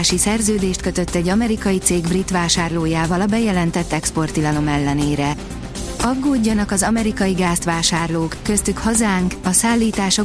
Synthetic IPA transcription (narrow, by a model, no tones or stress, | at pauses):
ʃisɛrzøːd̪eːʃt̪køt̪ø̞t̪ːɛɟːɒmɛɾikɒjit̪seːɡbrit̪ʋaːʃaːrloːjaːvɒlɒbɛjɛlɛnt̪ɛt̪ːɛkspo̞rt̪ilɒno̞mɛlːɛneːɾɛ | ɒɡːoːɟːɒnɒkɒzɒmɛɾikɒjiɡaːst̪ʋaːʃaːrloːkːøst̪ykhɒzaːŋkɒsaːlːiːt̪aːʃo